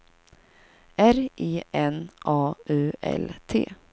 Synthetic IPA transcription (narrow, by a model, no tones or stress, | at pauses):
æɾiːʔɛnʔɑːʉːʔɛ̰lt̪ʰḛː